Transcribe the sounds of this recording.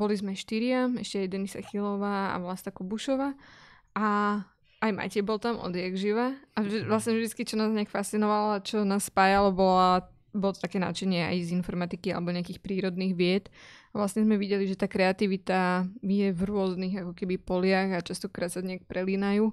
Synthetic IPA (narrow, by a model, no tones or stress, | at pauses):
bɔlizmɛʃt̪iɾɪaɛʃcɛajd̪ɛnisa̰xilɔʋaːa̰ʋlast̪akɔbuʃɔʋaː | ʔa | ajma̰jcɛbɔlt̪amɔ̰d̪jɛɡʒiʋaaʒɛʋlasɲɛvʒd̪it͡skit͡ʃɔnaːzɲɛakfast̪t͡sinɔʋalat͡ʃɔnaːsːpaːjalɔbɔla | bɔlɔt̪ɔt̪akɛːna̰ːt͡ʃɛɲɪɛa̰jzinfɔɾmat̪ikia̰lɛbɔɲɛakiːxpɾiːɾɔd̪niːɣʋɪɛt̪aʋlasɲɛzmɛʋiɟɛliʒɛt̪aːkɾɛat̪iʋit̪ajɛvɾʊɔzniɣakɔkɛbipɔlɪaɣat͡ʃast̪ɔkɾaːt̪saɲɛak̚pɾʔɛliːnajuː